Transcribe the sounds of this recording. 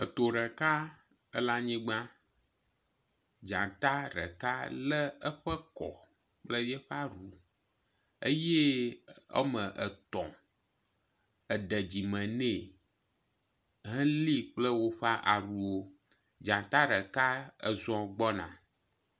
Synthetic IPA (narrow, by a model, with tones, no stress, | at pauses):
ə˨t̪o˨ɾɛ˨ka˦ | ə˦la˦ɲĩ˦ɡ͡bã˦ | d͡ʒã˨t̪a˦ɾɛ̰˨ka˦lɛ˦ə˦ɸə˦kɔ̰˨ | k͡plə˦jɛ˦ɸa˦ɾu˨ | e˦je˦ə̰˦mə̃˨ʔə˨t̪ɔ̰̃˨ | ə˨ɖɛ˨d͡ʑi˨mɛ̃˨nɛ̃˦˨ | ɦɛ̃˦li˦k͡plə˦wo˦ɸa˦ʔa˨ɾu˨wo˦ | d͡ʒã˨t̪a˦ɾɛ˨ka˦ə̰˦zɔ̃˦ɡ͡bɔ˦nã̰˨